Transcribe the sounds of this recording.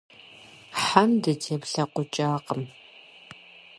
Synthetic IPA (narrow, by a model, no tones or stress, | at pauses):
ħamdɨtʰeːpɬɐqʷʊt͡ʃʼaːqəm